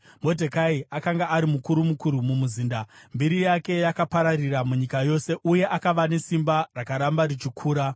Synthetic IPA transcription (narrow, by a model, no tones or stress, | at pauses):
mo̞dʱekaiakaŋɡaːɾimukuɾumukuɾumumuziːndambiɾijake̞jakapaɾariramuɲikajo̞ːse̞ʔuje̞ʔakaʋane̞simbarakaɾambaɾit͡ʃikʰuːɾa